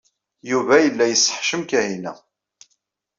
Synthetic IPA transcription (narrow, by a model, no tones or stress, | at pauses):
juvæjəlːæjəsːə̥ħʃəmkæhinæ̰